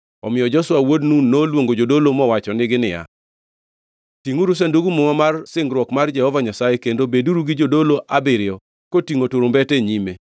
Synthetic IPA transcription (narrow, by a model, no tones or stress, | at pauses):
ɔmɪjɔd͡ʒɔswawodnunːolwoŋɡod͡ʒodolomɔwat͡ʃɔnɪɡɪnɪ̰ja̰ | tiŋuɾus̬anduɡumʊŋɔmarsɪŋɡɾwɔkmard͡ʒɛhɔvaɲasajekendobeduɾuɡɪd͡ʒodoloʔabɪɾɪjɔ | kotiŋotuɾombɛteɲime